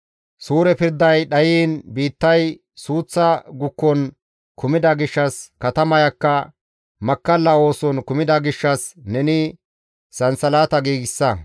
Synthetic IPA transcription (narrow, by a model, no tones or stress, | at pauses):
suːɾɛpɪɾd̪ɐjɗɐjiːnbiːt̪ːɐj | suːt͡sːɐɡʊkːɔn | kʰʊmɪd̪ɐɡɪʃːɐskɐt̪ɐmɐjɐkːɐ | mɐkːɐlːɐo̞ːsɔnkʊmɪd̪ɐɡɪʃːɐsnɛnɪ | sɐnsɐlaːt̪ɐɡiːɡɪsːɐ